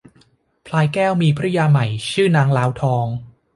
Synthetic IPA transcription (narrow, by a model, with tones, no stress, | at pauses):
pʰlaː˧jkɛː˥˩wmiː˧pʰɾa˦˥jaː˧ma˨˩jt͡ɕʰɯː˥˩naː˦˥ŋlaː˦˥wt̪ʰɔː˧ŋ